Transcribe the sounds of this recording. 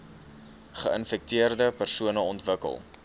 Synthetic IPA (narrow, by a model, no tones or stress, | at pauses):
χəənfɛk̚tiərdəpərsuənəɔntvəkə̰lˠ